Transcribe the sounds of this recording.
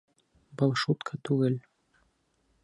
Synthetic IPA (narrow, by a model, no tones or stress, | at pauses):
bolˠʃut̪kʰɑt̪ʉɡɘl